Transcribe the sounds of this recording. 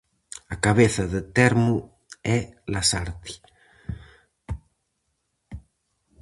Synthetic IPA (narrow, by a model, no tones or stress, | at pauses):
akaβ̞eθɐðet̪ɛɾmu | ɛlasaɾt̪i̥